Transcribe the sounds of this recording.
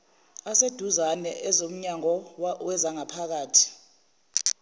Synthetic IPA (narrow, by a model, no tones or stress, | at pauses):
ased̥ʱuzanɛʔɛzom̩ɲaŋɔwɛzaŋapʰak̬aːtʰi̥